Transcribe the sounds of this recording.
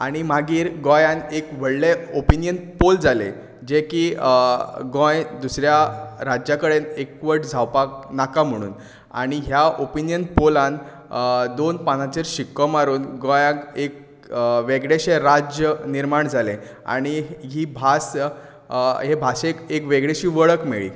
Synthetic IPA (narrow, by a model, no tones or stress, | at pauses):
aɽ̃imaɡiːɾɡɔjãnekʋəɽleopinijənpold͡zalḛ | d͡ʑekiː | ɡɔ̃jd̪usɾjaɾad͡ʑjakəɽenekʋəʈd͡zʱawpak̚nakam̤əɽ̃ṵːn | a̰ɽ̃iɦjaʔopinijənpolãn | d̪onpan̤at͡ɕeɾɕikːəmaɾuːnɡɔ̃jãkek̚ | ʋeɡɽeɕeɾad͡ʑjəniɾmaɳd͡zʱalẽ | a̰ɽ̃iɦiːbʱas | ɦebʱasekekʋeɡɽeɕiːʋəɭəkmeɭḭː